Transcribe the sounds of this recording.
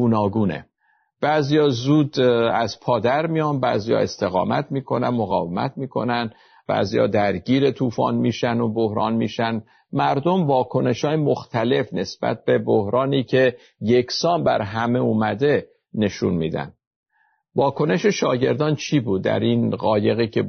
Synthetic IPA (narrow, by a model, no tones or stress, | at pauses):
ɡunɒːɡuːnḛ | b̥æzijɒːzuːd̪æz̥pʰɒːd̪æɾmijɒːnbæ̰ːzijɒ̰ːe̞st̪e̞ɣɒ̰ːmæ̰t̪ʰmiːkʰo̞nænmoɣɒːvemæ̰t̪ʰmiːkʰo̞̰næn | b̥æ̰ːzijɒ̰ːd̪æɾɟiːɾe̞t̪ʰuːfɒ̰ːnmiːʃænobohɾɒ̰ːnmiːʃæn | mæɾd̪o̞mvɒːkʰo̞ne̞ʃhɒːjemoxt̪ʰæle̞fne̞sb̥æ̰t̪̚be̞bohɾɒːniːcʰe̞ | je̞ksɒːmbæ̰ɾɦæme̞uːmæd̪e̞ | ne̞ʃṵnmḭːd̪æ̰nd̪ | vɒːkʰo̞ne̞ʃe̞ʃɒːɟe̞ɾd̪ɒːnt͡ʃʰiːbuːd̪̚ːæ̰ɾinɣɒːje̞ɣiːcʰe̞